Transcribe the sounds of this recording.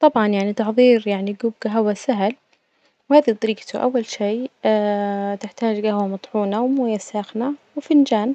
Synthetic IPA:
t̪ˤɑbʕɑnjaʕnit̪ɑħðˤiːɾjaʕniɡuːb̚ɡaɦwasaɦɪl | whaːðit̪ˤɑɾiːɡt̪uʔa̰wːalʃiː | t̪ɪħt̪aːd͡ʒɡahwamɑt̪ˤħuːnawmuːjasaːxnawɪfɪnd͡ʒaːn

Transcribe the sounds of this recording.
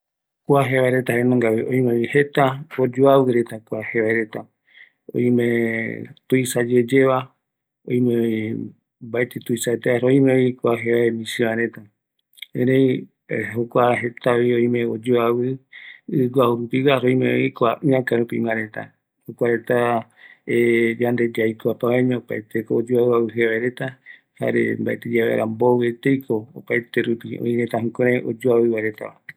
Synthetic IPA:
kʷaɦeβaeɾet̪ahenõŋɡaβiʔõ̰ĩmeihet̪aod͡ʒoawɨɾet̪akʷaheβaeɾet̪a | o̰j̃mẽt̪uisad͡ʒed͡ʒeβa | õj̃mẽi | baet̪et̪uisaet̪eaɾoĩmẽoikʷaɦeβaemĩsiβaɾet̪a | ẽɾẽi | ɦokʷaɦe̞t̪aβioĩmẽod͡ʒoaβɨɨɡʷauɾupiwaɾoj̃mẽo̰ikʷaʔɨãkaɾupḭmãɾẽt̪a̰ | hokʷaɾet̪a | ejand̪ed͡ʒajkoapaβãɲãopaet̪ekoːd͡ʒoawɨawɨɦeβaeɾet̪a | ha̰ɾḛmbaet̪ed͡ʒaβḛɾʔa̰mboɨet̪ejkʰoopaet̪eɾupio̰ĩɾet̪aɦũkõɾ̃ẽʔod͡ʒoaβɨwaɾet̪a̰a

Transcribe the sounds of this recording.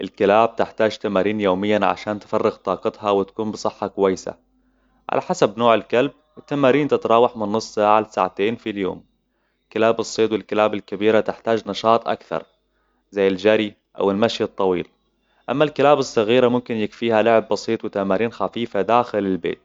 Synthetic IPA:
ʔɪlkɪlaːb̚t̪ɪħt̪aːd͡ʒt̪amaːɾiːnjoːmɪjːanʕa̰ʃaːnt̪ɪ̥farːɪɣt̪ˤɑːqɑt̪hɑwɪt̪ḁkuːmbɨsˤɨħːɑkʊwajːsa̰ | ʕa̰la̰ħasabnoːʕɪlkalb̚ | wɪt̪ːamaːɾiːnt̪ɪt̪ɾˤɑːwɑħmɪnːɨsˤːaːʕalsaːʕat̪eːnfiljo̰ːm | kɪlaːbɨsˤːeːd̪wɪlkɪlaːbɪlkabiːɾat̪ɪħt̪aːd͡ʒnɑʃɑːt̪ˤʔa̰kθɑ̰ɾˤ | zajːɪlʒaɾi | ʔa̰wɪlmaʃjɨt̪ˤːɑwiːl | ʔa̰mːalkɪlaːbɨsˤːɑɣiːɾamʊmkɪnjɪkfiːhalʊʕɪbːɑsˤiːt̪ˤwɪt̪ːamaːɾiːnxafiːfad̪aːxɪlɪlbḛːt̪̚

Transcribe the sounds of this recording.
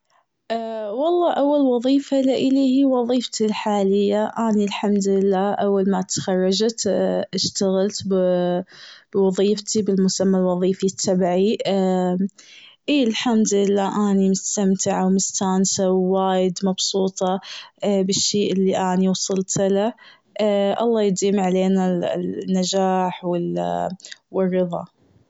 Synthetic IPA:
ʔwɑlˤːɑːʔawːalwɑðˤiːfalaʔɪliːhiwɑðˤiːft̪ilħaːlɪjːaʔaːnilħamd̪lɪlːaːʔawːalmat̪xɑrˤːɑd͡ʒt̪ʔɪʃt̪aɣalt̪b | bwɑðˤiːft̪ʰibɪlmʊsamːalwɑðˤiːfit̪ʰːabʕi | ʔiːɪlħamd̪ɪlːaːʔaːnimʊst̪amt̪ʰɪʕawmʊst̪aːnsawːaːjɪd̪mɑbsuːt̪ˤɑ | bɪʃːeːʔɪlːiʔaːniwɑsˤɨlt̪la | ʔɑlˤːɑːjɪd̪iːmʕaleːnanːad͡ʒaːħwɪl | wɪrːɨðˤɑ̰

